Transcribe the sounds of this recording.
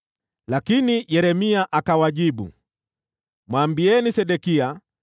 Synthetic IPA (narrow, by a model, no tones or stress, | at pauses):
lakinijɛɾɛmiaʔakawaʄiɓṵ | mwaːmbiɛnisɛɗɛkia